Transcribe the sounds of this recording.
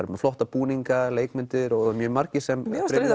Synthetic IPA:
aɾmɛflɔht̪apuːniŋkaleːjkmʏnt̪ɪɾɔmjœːmaɾcɪsɛmɾe

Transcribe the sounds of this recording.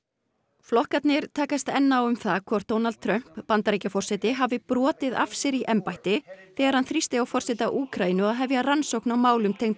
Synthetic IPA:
flɔhkat̪nɪɾ̥t̪ʰaːkast̪ɛnːaawʏmθakʰvɔɾ̥t̪ownalt̪̚t̪ʰɾœm̥pːant̪aɾejcafɔr̥sɛt̪ɪɦavɪpɾɔːt̪ɪða̰fsɪɾiʔɛmpajht̪ɪθɛːɣaɾhanθɾist̪ɪawfɔrsɛt̪aʔuːkɾainʏaðɦɛvjaransowknawmaːwlʏmt̪ʰejŋnt̪

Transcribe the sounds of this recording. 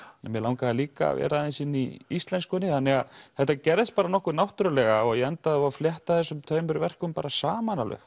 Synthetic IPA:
nɛmjɛlawŋkaaliːka̰ːvɛ̰ːɾaɛnsɪnːiist̪lɛnskʏnɪθanːɛɣaðθɛht̪ːacɛɾðɪst̪̚paːɾanɔhkʏnawht̪ʏɾʏlɛɣaɔɣjɛɛnt̪aðvafljɛht̪aθɛsːʏmt̪ʰœːɥmʏɾvɛr̥kʏmpaːɾasaːmanalœ̰x

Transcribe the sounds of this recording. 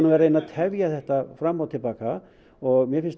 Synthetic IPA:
navɛːɾaenaðt̪ʰɛvjaθɛht̪afɾamːawt̪ʰɪlpaːka | ɔɣmjɛfɪnst̪

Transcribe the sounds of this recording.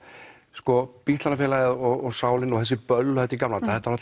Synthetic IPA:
skɔpit̪lanafɛːlajɪðɔɣɔɣsaːwlɪnɔɣθɛs̬ːɪpœlːhɛt̪ɪikamlant̪aθɛht̪aɾat̪

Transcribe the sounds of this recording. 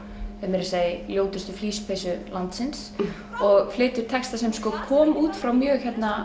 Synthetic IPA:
hɛmɛɾɪsaːðɪljoːwt̪ʏst̪ʏfliːspʰejsʏlant̪sɪns | ɔɣflɪːt̪ʏɾ̥t̪ʰɛkst̪asɛmskɔːkʰɔːmuːt̪fɾawmjœːçɛt̪na

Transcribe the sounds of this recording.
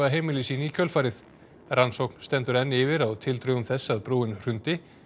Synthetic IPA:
aɦejmɪlɪsiːnicʰœlfaːɾɪθ | ransowkn̥st̪ɛnt̪ʏɾɛnːɪvɪɾawt̪ʰɪlt̪ɾœːɣʏmθɛsːaðpɾoːɪnr̥ʏnt̪ɪ

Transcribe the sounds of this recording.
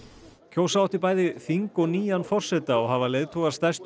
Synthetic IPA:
cʰoːwsawht̪ɪɾpaːjðɪθiŋkɔɣniːjanfɔr̥sɛt̪aɔɣɦavaleːjðt̪ʰɔɣaɾst̪ast̪

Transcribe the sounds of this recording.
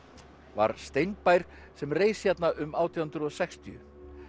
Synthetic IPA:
va̰ɾ̥st̪ejnpajɾ̥ | sɛmreːjsçjɛt̪naʔʏmaːwt̪ʰiawhʏnt̪ɾʏɔsɛkst̪ʰiʏ̰

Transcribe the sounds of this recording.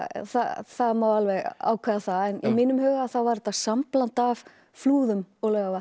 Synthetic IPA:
θa̰θaðmaːwalvɛɣa̰ːwkʰvɛːðaθaɛnimɪːnʏmhœːɣaθawvaɾɛt̪ːasamplant̪av | fluːðʏmɔɣlœːɣava

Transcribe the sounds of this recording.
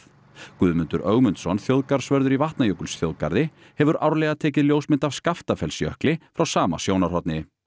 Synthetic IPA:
kʏːðmʏnt̪ʏɾʔœɣmʏnt̪sɔnθjowðkaɾ̥svœɾðʏɾivaht̪najœwkʏlsθjo̰wðkaɾðɪ | hɛvʏɾʔawɾlɛɣat̪ʰɛːc̬ɪðljowsmɪnt̪av̥skaft̪afɛlsjœhklɪfɾawsaːma̰sjownaɾ̥hɔt̪nɪ

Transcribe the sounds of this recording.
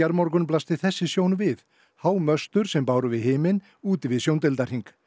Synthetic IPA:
aɾmɔɾkʏnplast̪ɪθɛsːɪsjoːwnvɪð | haːwmœst̪ʏɾ̥sɛmpaːwɾʏvɪðɦɪːmɪn | uːt̪ɪvɪðsjownt̪ɪlt̪ar̥iŋk

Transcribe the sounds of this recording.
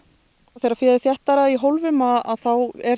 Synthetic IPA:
θejɾafɪːðɪθjɛht̪aɾaiɦowlvʏmaa̰ðθawɛɾ̥

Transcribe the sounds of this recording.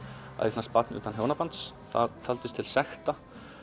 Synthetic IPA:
a̰eknast̪̚pat̪nṵːt̪anɦjoːwnapant̪sθa̰ðt̪ʰalt̪ɪst̪ʰɪlsɛxt̪a

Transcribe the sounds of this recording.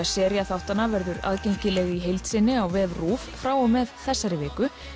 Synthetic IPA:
asɛːɾjaθawht̪anavɛɾðʏɾa̰ðcejɲ̥cɪlɛɣiɦejlt̪sɪnːɪawvɛːvruːffɾaːwɔmɛðθɛsːaɾɪvɪːkʏ

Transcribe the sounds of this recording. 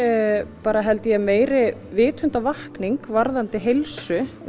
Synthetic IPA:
paːɾaɦɛlt̪ɪjɛmeːjɾɪvɪːt̪ʰʏnt̪avahkniŋkvaɾðant̪ɪɦejlsʏ

